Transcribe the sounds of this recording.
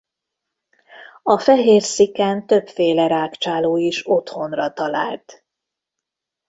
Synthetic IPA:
ɒfɛɦeːrsikaːnt̪øpfeːlɛɾaːkt͡ʃaːloːiʃo̞t̪ho̞nrɒt̪ɒla̰ːlt̪

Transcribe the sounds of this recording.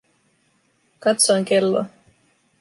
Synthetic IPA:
kɑt̪soŋkelːo̰

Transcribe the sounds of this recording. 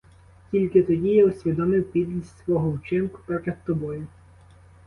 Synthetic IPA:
tʲilʲkɪt̪ɔdʲijɛɔsʲʋʲid̪ɔmɪwpʲid̪ʲlʲisʲsʋɔɦɔut͡ʃɪmkʊ̥pɾɔt̪ʲɐt̪ːɔbɔjʊ

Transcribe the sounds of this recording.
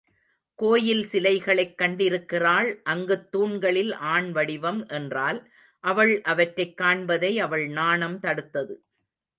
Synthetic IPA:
koːjɪlsɪlɐɪɣɐɭɐɪkːɐɳɖɪɾɯkːɪraːɭʔɐŋɡɯt̪ːuːɳɡɐɭɪlʔaːɳʋɐɽɪʋɐmʔɛndraːl | ʔɐʋɐɭʔɐʋɐʈɾɐɪkːaːɳbɐðɐɪɐʋɐɭnaːɳɐmt̪ɐɽɯt̪ːɐðɯ

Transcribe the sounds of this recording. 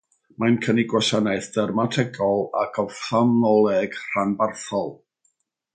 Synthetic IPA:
majnkʰəniɡwaʃanaɨθdɛrmatʰɛɡɔlˠa̰kʰɔfamnɔlˠɛɡ̥r̥anbarθɔlˠ

